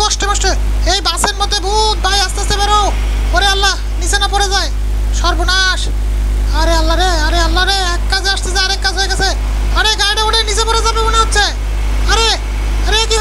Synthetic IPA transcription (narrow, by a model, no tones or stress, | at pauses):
ɔʃʈemɔʃʈe | ejbaseɾmot̪ebʱut̪̚bʱajast̪easebɛɾo | oɾealːa | nit͡ɕʰenapɔɾed͡ʑae | ʃɔɾbonaʃ | aɾealːaɾeaɾealːaɾe | kːad͡ʑʱeaʃt̪ed͡ʑaaɾekːaɦoeɡɛt͡ɕʰe | aɾeɡajʈaoɽenit͡ɕʰepɔɾed͡ʑabeboneɦot̪ːɕʰe | aɾe | aɾeki